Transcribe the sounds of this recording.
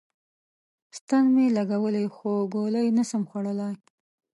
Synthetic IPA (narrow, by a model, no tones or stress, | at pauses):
st̪anmelaɡawəlajxoɡoləjnəsəmxwaɽəlɑj